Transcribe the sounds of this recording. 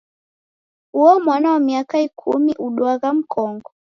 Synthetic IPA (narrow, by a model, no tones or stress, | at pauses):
huɔmwanaamiakaikʰumiʔuɗwaɣam̩kʰɔŋɡɔ